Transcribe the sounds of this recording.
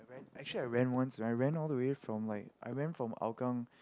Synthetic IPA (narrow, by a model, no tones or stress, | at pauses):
aɪɹɛ̃næk̚t͡ʃʉl̩ˠiaɪɹɛ̃nwʌ̃nsɛ̃naɪɹæ̃nɔlˠðəwefɹɔ̃mlaɪkʔa̰ɪɹɛ̃nfɹɔ̃ma̰lkə̃ŋ